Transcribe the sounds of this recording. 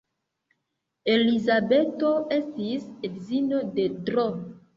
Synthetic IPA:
elizabetoestisedzinodedɾɔ

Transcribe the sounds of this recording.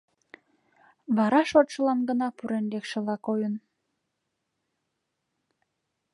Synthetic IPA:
βɑɾɑʃot̪ʃəlɑnɡənɑpuɾenlekʃĕlɑkojən

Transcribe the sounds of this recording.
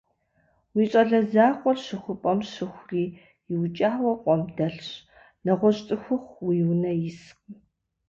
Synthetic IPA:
wiːɕʼɐɮɐzaːqʷʼɔrʃɨxʷʊpʼɐmʃɨxʷriː | jɪwt͡ʃʼaːwɐqʷʼɔmdɐɬɕ | nɐʁʷɔɕʼtʼɨxʷʊχʷwiːwnɐjɪsq

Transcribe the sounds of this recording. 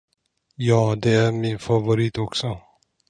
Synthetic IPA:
jɑːd̪ɛæɾmɪnfavʊɾiːt̪ɔksɔ

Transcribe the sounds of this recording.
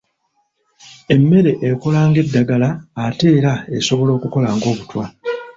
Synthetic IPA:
e̞mːe̞ɾe̞ʔeko̞laːŋɡe̞dːaɡalaːte̞ːɾae̞so̞βo̞lo̞ːkuko̞laːŋɡo̞ːβutwa

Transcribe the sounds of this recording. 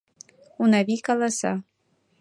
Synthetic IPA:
unaβikalˠasa̰

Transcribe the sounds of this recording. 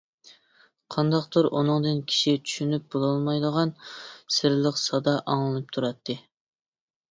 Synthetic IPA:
qʰɑnd̪ɑqt̪uɾʔṵnɨŋd̪ɨnkʲʰi̥ʃit͡ʃʰy̥ʃynyp̚bolˠɑlˠmɑjd̪əʁɑnsɪɾlˠəqsɑd̪ɑʔɑŋlˠɨnɨp̚t̪ʰuɾɑt̪ʰːɨ

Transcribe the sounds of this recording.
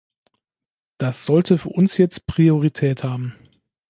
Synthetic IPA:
d̥asz̥ɔltʰəfyːɐʔʊnsjɛt͡st̚pʁ̥ioʁitʰɛːthaːbm̩

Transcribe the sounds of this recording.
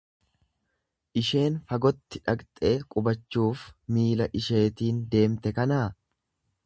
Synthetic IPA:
ʔɪʃe̞ːnfɐɡɔt̪ːɪᶑɐkt̪ʼe̞ːkʼʊbɐt͡ʃːuːfmiːlɐʔɪʃe̞ːt̪iːnd̪e̞ːmt̪ɛkɐnaː

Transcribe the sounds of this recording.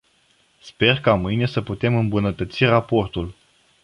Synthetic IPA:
spe̞rkamɨjne̞səput̪e̞mɨmbunət̪ət̪sirapo̞rt̪ul

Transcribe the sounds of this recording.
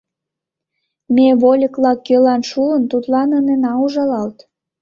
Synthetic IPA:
meβolʲəklɑkːølɑnʃuənt̪ut̪lɑnənenɑuʒɑlɑlt̪

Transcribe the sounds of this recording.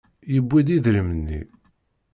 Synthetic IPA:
jəbʷːid̪iðɾəmənːḭ

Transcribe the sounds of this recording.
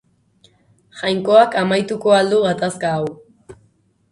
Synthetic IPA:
xajŋko̞akamajt̪ukoald̪uɣat̪askaːw

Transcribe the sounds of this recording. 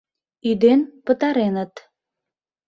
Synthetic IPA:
yd̪enpət̪ɑɾenət̪

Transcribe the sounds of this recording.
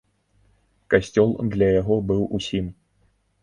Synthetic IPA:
kasʲt͡sʲɔlˠd̪lʲɐjaɣɔbɨwʔusʲim

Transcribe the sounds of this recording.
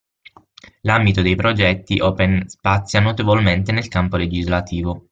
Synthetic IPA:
lambit̪od̪ejpɾod͡ʒɛt̪ːiʔɔːpenspat̪sːjanot̪evolment̪enelkampoled͡ʒizlat̪ʰiːvo

